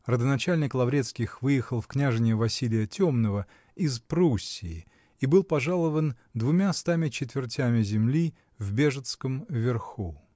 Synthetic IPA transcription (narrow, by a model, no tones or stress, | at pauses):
rəd̪ənɐt͡ɕælʲnʲɪklˠɐvɾʲe̞t̪skʲɪxvɨjɪxəlˠfknʲaʐɨnʲɪjəvɐsʲilʲɪjətʲomnəvə | ɪzpɾusʲːɪː | ibɨlˠpɐʐalˠəvən | d̪vʊmʲast̪amʲɪt͡ɕɪt̪vʲɪrtʲæmʲɪzʲɪmlʲi | vbʲe̞ʐɨt̪skəmvʲɪrxu